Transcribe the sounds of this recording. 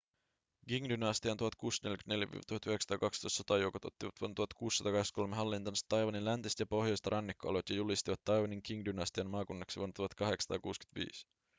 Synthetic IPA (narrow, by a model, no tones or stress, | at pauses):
ɡiŋdynɑst̪iɑnt̪uhɑt̪̚kuːsne̞ljkyt̪ne̞ljæʋḭːʋɑt̪uhɑt̪yheksɑ̥t̪ɑːkɑkst̪ojst̪sot̪ɑjowkot̪o̞̰t̪ːiʋɑt̪ʋuont̪uhɑt̪kuːsːɑt̪ɑkɑhest̪ko̞lmeɦɑlːint̪ɑnst̪ːɑjʋɑninlænt̪ist̪jɑpo̞hjojst̪ɑɾʔɑnːikːoɑ̰let̪jɑjulist̪iʋɑt̪ːɑjʋɑniŋkiŋdynɑst̪iɑnmɑːkunːɑksiʋuont̪uhɑt̪kɑɦe̞ksɑt̪ɑ̰ːkuːsky̥t̪ʋḭːs